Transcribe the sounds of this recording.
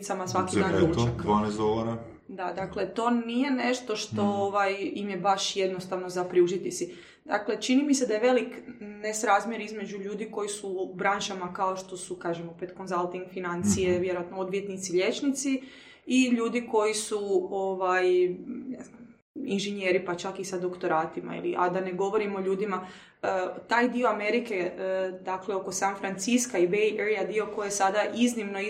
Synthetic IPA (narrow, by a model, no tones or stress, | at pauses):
t̪samasʋakiidaːnuekʋanezoʋaɾa | d̪ad̪akle̞t̪o̞ːnije̞ne̞ʃt̪o̞ʃt̪o̞oʋajimjebaʃje̞d̪no̞st̪aʋno̞zapɾiuzit̪isi | d̪̥a̰kle̞t͡ʃinimised̪ajeʋe̞liknesɾaːzmje̞ɾizme̞d͡ʒuʎuːd̪iko̞jisubɾanʃamakaoʃt̪o̞sukaːʒemopet̪ko̞nzalˠt̪iŋɡfinant̪sijeʋjeɾoat̪nood̪ʋje̞t̪nit̪silʎet͡ʃnit̪si | iʎuːd̪iko̞jisuoʋajnez | inʒeɲe̞ːɾipat͡ʃakisad̪o̞kt̪o̞ɾaːt̪ima̰ḭlḭʔa̰d̪aneɡo̞ʋo̞ɾimo̞ʎuːd̪ima | ət̪aːjd̪io̞ame̞ɾike̞d̪akleo̞ko̞sanfɾant̪siskaibejʔeɾijad̪io̞ko̞jesad̪aʔiznimno̞